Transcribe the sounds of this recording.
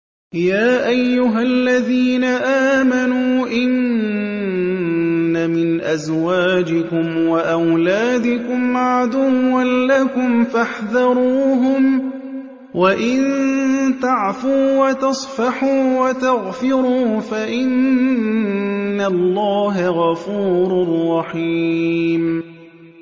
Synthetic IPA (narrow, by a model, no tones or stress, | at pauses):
jaːʔajːʊɦalːaðiːnaʔaːmanuːʔɪn | amɪnʔazwaːd͡ʒɪkʊmwaʔawlaːd̪ɪkʊmʕad̪uwːanlakʊmfaħðɑɾˤuːɦʊm | waʔɪnnt̪aʕfuːwat̪ɑsˤfɑħuːwat̪aɣfɪɾuːfaʔɪn | alːaːɦaɣɑfuːɾʊrˤːɑħiːm